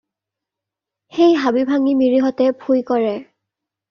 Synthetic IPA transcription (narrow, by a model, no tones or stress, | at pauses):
xejɦabibʱaŋimiɹiɦɔtɛbʱʰujkɔɹɛ